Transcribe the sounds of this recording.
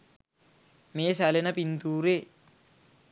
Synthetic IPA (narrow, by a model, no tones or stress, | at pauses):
meːsælenəpint̪uːɾeː